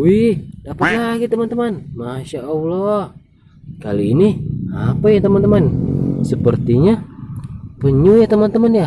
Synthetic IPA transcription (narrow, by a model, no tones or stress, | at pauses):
widapalaɡit̪əmant̪əmanmaʃaʔəula | ka̰liiniapajat̪əmant̪əmansəpərt̪iɲa | pəɲujat̪əmant̪əmanja